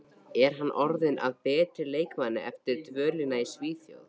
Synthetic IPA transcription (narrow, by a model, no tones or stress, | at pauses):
ɛɾ̥ɦanːʔɔɾðɪnʔa̰ðpɛːt̪ɾɪleːjkmanːɪ̰ʔɛft̪ɪɾ̥t̪vœːlɪnaisviːθjo̰wð